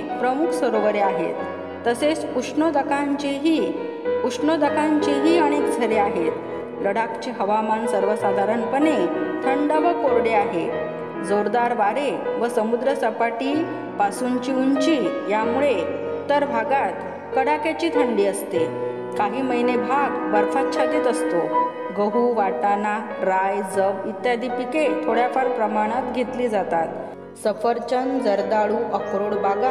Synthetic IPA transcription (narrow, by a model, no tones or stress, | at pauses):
pɾəmukʰsəɾoʋəɾeaɦḛt̪ː | əset͡suʂɳəd̪əkaɲt͡ɕiɦi | uʂɳəd̪əkãɲt͡ɕiɦiːəɽ̃ekd͡zʱəɾeaɦet̪ | ləɽakt͡ɕeɦəʋamansəɾʋəsad̪ʱaɾəɳpənet̪ʰəɳɖəʋəkoɾɽeaɦe | d͡zoɾd̪aɾʋaɾeʋəsəmud̪ɾəsəpaʈiː | pasuɲt͡ɕiuɲt͡ɕiːjamuɭe | t̪əɾbʱaɡat̪ | kəɽakat͡ɕiːt̪ʰəɳɖiːəst̪e | kaɦiːməjnebʱaɡbəɾfat̪ːt͡ɕʰad̪iːt̪əst̪o | ɡəɦuʋaʈana | ɾajd͡zəʋit̪jad̪ipiket̪ʰoɽjafaɾpɾəmaɽ̃at̪ɡʱet̪liːd͡zat̪at̪ | səfəɾt͡ɕənd͡zəɾd̪aɭuʔəkɾoɽbʱaɡa